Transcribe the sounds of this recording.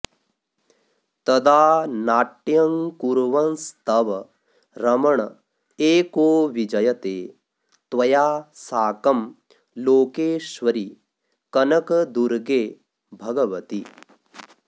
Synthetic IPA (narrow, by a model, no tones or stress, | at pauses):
t̪ɐd̪aːnaːʈːjɐŋkuɾʋɐnst̪ɐʋɐ | ɾɐmɐɳɐ | eːkoːʋid͡ʒɐjɐt̪eː | t̪ʋɐjaːsaːkɐm | loːkeːʃʋɐɾi | kɐnɐkɐd̪uɾɡeː | bʱɐɡɐʋɐt̪i